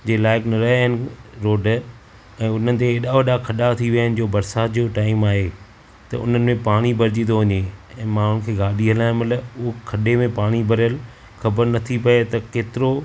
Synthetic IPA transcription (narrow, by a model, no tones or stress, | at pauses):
d͡ʑeːlaːɪknɐɾɐɦaɦɪnɪ̆ɾoːɖ | ɛ̃ːʊn̤ənɪ̆t̪̬eːɗaoʋɐɗakʰɐɗat̪ʰiʋijaɦnɪ̆d͡ʑoːbɐɾsaːt̪d͡ʑoːʈaːɪmaːɦe | t̪ɐ̰ʔʊ̰n̤ənɪ̆mẽpaːɽ̃ibɐɾd͡ʑĩnd̪oʋɐɲeɛ̃ːmãːʊ̃nkʰeːɡaːɗʱiɦɐlaːjɪ̃mɐləbʊɦokʰɐɗemẽpaːɽ̃ibʱɐɾəl | xɐbəɾnɐt̪ʰipɐet̪ɐkeːt̪ɪɾo